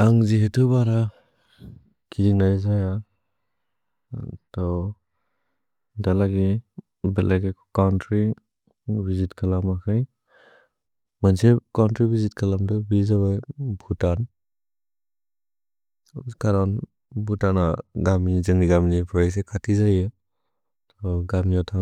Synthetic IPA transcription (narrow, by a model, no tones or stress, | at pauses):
aŋziɦetʰubaɾa | kʰiiŋnajzaja | tɔ | dalaɡi | belaɡekʰkawntɾi | bizitkʰalamakʰaj | mansekawntɾibizitkʰalamdɔbizabajbʱutan | kaɾan | butanaɡamizɯŋniɡaminipʰɾajs̬ekʰatʰizajɯ | tʰɔɡamijɔtʰa